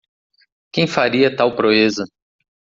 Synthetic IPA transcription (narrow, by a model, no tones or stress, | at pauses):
kẽj̃faɾiɐt̪awpɾoezɐ